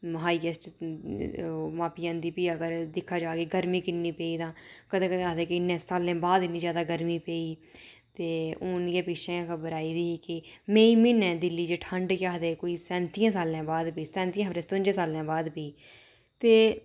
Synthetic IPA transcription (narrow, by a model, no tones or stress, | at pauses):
ɦaːiːkesʈ | mãːpiːãːnd̪iːpiːəɡəɾd̪ɪkʰːaːd͡ʒaːɡeːɡəɾmiːkɪnːĩːpeːiːd̪ãːkəd̪ẽːkəd̪ẽaːd̪eːkɪɪnːẽːsaːlẽːbaːd̪ɪnːiːd͡ʒjaːd̪aːɡəɾmiːpeːiː | t̪eːoːnijẽːpɪːʃʰẽːkʰəbəɾaːiːd̪iːkɪmẽːĩːmɪnɛ̃ːd̪ɪlːiːd͡ʒeʈʰəɳɖkaːɦd̪eːkoːiːsɛ̃ːnt̪iːãːsaːlãːbaːd̪piːsɛ̃ːnt̪ijãːɦfɾẽːst̪ʊ̃nd͡ʒẽːsaːlãːbaːd̪peiː | t̪eː